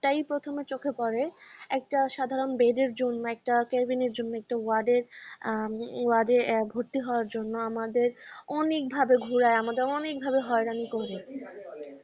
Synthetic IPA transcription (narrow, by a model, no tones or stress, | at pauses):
ʈajpɾot̪ʰomet͡ɕokʰepɔɾeɛk̚ʈaʃad̪ʱaɾonbeɖeɾd͡ʑonːoɛk̚ʈakɛɾbineɾd͡ʑonːoɛk̚ʈawaɖeɾ | waɖebʱoɾt̪iɦɔoaɾd͡ʑonːoamad̪eɾɔnek̚bʱabeɡʱuɾaeamad̪eɾɔnek̚bʱabeɦɔeɾanikɔɾe